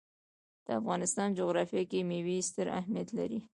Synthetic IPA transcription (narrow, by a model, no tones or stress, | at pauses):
d̪̥əafɣɑnɪst̪ɑnd͡ʒoɣɾɑfjɑkemewist̪əɾa̰hmijat̪la̰ɾi